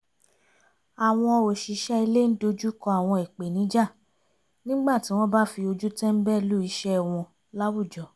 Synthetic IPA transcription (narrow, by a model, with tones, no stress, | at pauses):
a˨w̃ɔ̃˧ɔ˧o˨ʃi˨˦ʃɛ˦i˧le˦n̩˦do˧d͡ʒu˦kɔ˧a˨w̃ɔ̃˧i˨k͡pe˨nĩ˨˦d͡ʒa˦˨ | nĩ˦ɡ͡ba˦˨ti˨˦w̃ɔ̃˦ba˦fi˧o˧d͡ʒu˦tɛ˦m̩˦bɛ˦˨˧lu˦i˧ʃɛ˦˧˨w̃ɔ̃˧ | la˦wu˦˨d͡ʒɔ˨